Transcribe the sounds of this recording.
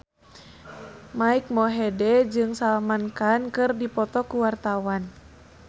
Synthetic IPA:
maik̚mɔɦɛdɛd͡ʒɨŋsalmankankɨrdipɔt̪ɔkuwart̪awan

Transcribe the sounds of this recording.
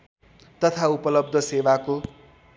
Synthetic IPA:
t̪ʌt̪ʰaupʌlʌb̚d̪ʱʌsewako

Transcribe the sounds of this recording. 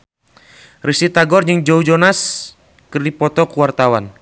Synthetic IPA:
risit̪aɡɔrd͡ʒɨŋd͡ʒɔud͡ʒɔnas | kɨrdipɔt̪ɔkuwart̪awan

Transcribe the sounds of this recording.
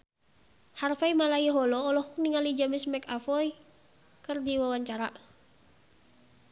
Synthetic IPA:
harfajmalaiɦɔlɔːlɔhɔk̚niŋalid͡ʒamismɛkafɔj | kɨrdiwawaɲt͡ʃaɾa

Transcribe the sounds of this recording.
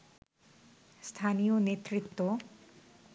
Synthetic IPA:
st̪ʰanijonet̪ːɾit̪ːo

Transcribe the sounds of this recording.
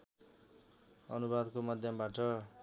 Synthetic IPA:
ʌnubad̪komʌd̪ʱjʌmbaʈʌ

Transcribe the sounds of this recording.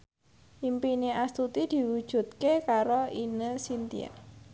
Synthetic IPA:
ʔimpineast̪ut̪id̪̥i̤wud̥ʒ̥ṳt̪̚kekaɾoinəsint̪ḭa̰

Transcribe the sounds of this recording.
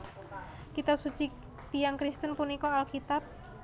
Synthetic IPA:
kit̪ap̚sut͡ʃi | t̪ijaŋkɾist̪ənpunikɔalkit̪ap̚

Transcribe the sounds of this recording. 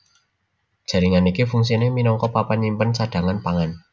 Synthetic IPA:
d̥ʒ̥ä̤ɾiŋanikifuŋs̬ineminɔŋkɔpapaɲimpənsaɖ̥ä̤ŋanpaŋan

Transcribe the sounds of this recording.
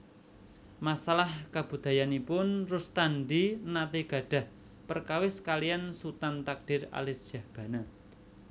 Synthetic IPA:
masalahkab̥ṳd̪̥a̤janipʊnrʊst̪anɖinat̪iɡ̥a̤ɖ̥a̤h | pərkawɪskalijansut̪ant̪ak̚d̥ɪ̤ra̰lɪsd̥ʒ̥a̤hb̥ä̤na

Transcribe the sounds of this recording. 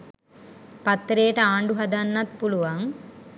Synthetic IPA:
pɐt̪ːɾeːʈɐaːɳɖuɦɐd̪ɐnːɐt̪̚puluʋaŋ

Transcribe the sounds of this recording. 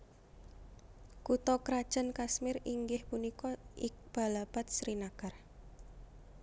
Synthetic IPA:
kut̪ɔkɾad̥ʒ̥ə̤nkasmɪɾiŋɡɪhpunikɔɪk̚b̥a̤lab̥at̪̚sɾinakar

